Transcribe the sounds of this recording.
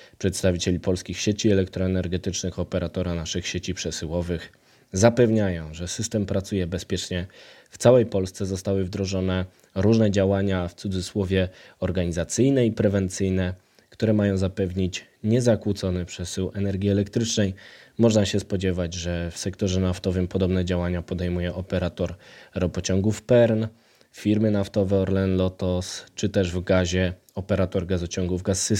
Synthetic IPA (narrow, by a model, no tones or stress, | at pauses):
pʂɛt̪st̪avʲit͡ɕelʲipɔlskʲixɕet͡ɕiɛlɛkt̪ɾɔɛnɛɾɡɛt̪ɘt͡ʂnɘxɔpɛɾat̪ɔɾanaʂɘxɕet͡ɕipʂɛsɘwɔvɘx | zapɛvɲajɔ̃w̃ʐɛsɘst̪ɛmpɾat̪sujɛbɛspʲjɛt͡ʂɲɛft̪sawɛjpɔlst̪sɛzɔst̪awɘvd̪ɾɔʐɔnɛ | ɾuʐnɛd͡ʑawaɲaft̪sud̪zɘswɔvʲjɛɔɾɡaɲizat̪sɘjnɛipɾɛvɛnt̪sɘjnɛ | kt̪uɾɛmajɔ̃w̃zapɛvɲit͡ɕɲɛzakwut̪sɔnɘpʂɛsɘwɛnɛɾɡʲiɛlɛkt̪ɾɘt͡ʂnɛjmɔʐnaɕɛspɔd͡ʑɛvad͡ʑʐɛfsɛkt̪ɔʐɛnaft̪ɔvɘmpɔd̪ɔbnɛd͡ʑawaɲapɔd̪ɛjmujɛʔɔpɛɾat̪ɔɾɾɔpɔt͡ɕɔŋɡufpɛɾn | fʲiɾmɘnaft̪ɔvɛɔɾlɛnlɔt̪ɔst͡ʂɘt̪ɛʐvɡaʑɛ | ɔpɛɾat̪ɔɾɡazɔt͡ɕɔŋɡuvɡasːɘs